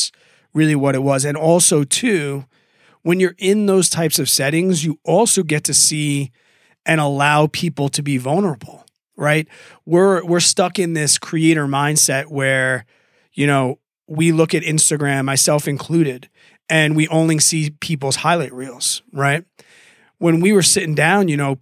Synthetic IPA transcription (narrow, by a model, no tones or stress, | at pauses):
ɹɪlˠiwʌɾɨt̚wʌzɨ̃nɔlˠsoʊtʰʉ | wə̃njə˞ʔɪ̃nðoʊz̥tʰaɪpsʌv̥sɛɾɪ̃ŋzjɨʔɔlˠsoʊɡɛtʰɨsi | ɨ̃ñəlaʊpʰipl̩ˠtʰɨbivʌlˠnə˞əbl̩ˠ | ɹaɪt̚ | wɪɹwɪɹstʌkɨ̃nðɪskʰɹ̥ieɪɾə˞mãɪ̃nd̥sɛt̚wə˞ | jɨñoʊ | wilʊkɨɾɪ̃nstɨɡɹæ̃mːaɪsɛlˠfɨ̃nkʰl̥ʉɾɪd | ɨ̃nwiʔõʊ̃nlisipʰip̬l̩ˠz̥haɪlaɪt̚ɹilˠz̥ɹaɪt̚ | wə̃nwiwə˞sɪɾɪ̃ŋdãʊ̃njɨñoʊ